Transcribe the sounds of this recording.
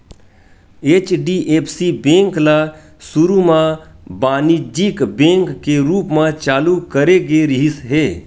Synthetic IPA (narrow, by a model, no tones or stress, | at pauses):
et͡ʃɖiʔepʰsibẽːŋkla | sʊɾumãbaːnid͡ʒikbẽːŋkːeɾuːpmãt͡ʃaːlukəɾeɡeɾɪɦisɦeː